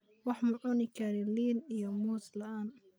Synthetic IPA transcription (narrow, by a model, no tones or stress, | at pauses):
wɑħmʊʕʊnɪkʰɐɾɛliːnijɔmuːslɐaːn